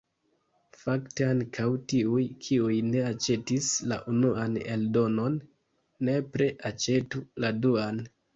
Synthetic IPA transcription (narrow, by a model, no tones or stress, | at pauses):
fakteaŋkʰawtiujkʰiujne̞at͡ʃe̞tisla̰ʔunuanḛldo̞no̞nː | e̞pɾeʔat͡ʃe̞tuladuan